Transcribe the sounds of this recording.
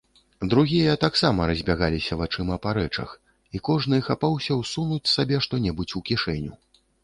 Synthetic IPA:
d̪ɾuɣʲijɐt̪aksamɐɾɐzʲbʲaɣalʲisʲɐvat͡ʂɨmɐpaɾɛt͡ʂɐ̰x | ikɔʐnɨxapawsʲɐwsunut͡sʲsabʲɛʂt̪ɔnʲɛbut͡sʲukʲiʂɛnʲu

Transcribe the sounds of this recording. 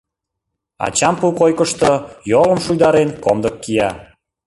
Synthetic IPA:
ɑ̰t͡ɕɑmpukojkəʃt̪oojolə̆mʃujd̪ɑɾenkomd̪əkːijɑ

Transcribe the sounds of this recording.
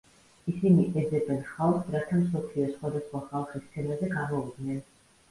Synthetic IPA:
isiniʔɛd̪zɛbɛnχalˠχsɾat̪ʰamsɔpʰliɔsχwad̪asχwaχalˠχist̪sʰɛnazɛɡamɔvid̪nɛn

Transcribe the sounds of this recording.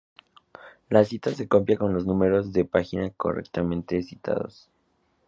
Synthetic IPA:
lasit̪ase̞kompjako̞nlo̞znũme̞ɾo̞zðe̞paxinako̰rḛkt̪amẽnt̪e̞si̥t̪ʰa̰ðo̞̰s

